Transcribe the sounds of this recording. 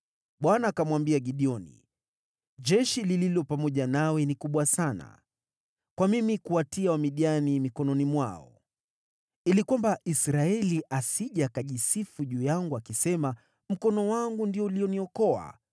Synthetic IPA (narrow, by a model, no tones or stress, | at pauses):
ɓwanaːkamwambiaɠiɗiɔnḭ | ʄɛʃilililɔpamɔʄanawɛnikuɓwasana̰ | kwamimikuatiawamiɗianimikɔnɔnimwaɔ̰ | ilikwambaʔisɾaɛliʔasiʄakaʄisifuʄuːjaŋɡuakisɛma | m̩kɔnɔwaŋɡundiɔuliɔniɔkɔa̰